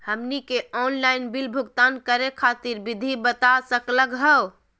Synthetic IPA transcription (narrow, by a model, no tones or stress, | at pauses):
həmnikeɔnlainbilbʱuɡt̪ankəɾekʰat̪iɾbid̪ʱibət̪asəkləɡɦəw